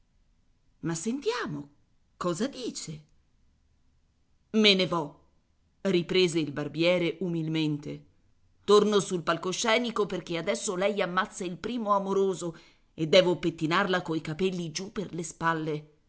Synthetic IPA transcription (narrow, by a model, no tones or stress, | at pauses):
masːent̪jaːmo | kɔːzad̪iːt͡ʃe | menevɔ | ripɾeːzeilbarbjɛːɾeʔumilment̪e | t̪ornosulpalkoʃːɛːnikoperk̟ead̪ɛsːolɛjamːat̪sːailpɾiːmoamoɾoːzo | ed̪ːɛːvopet̪ːinarlakoikapelːid͡ʒupːerlespalːe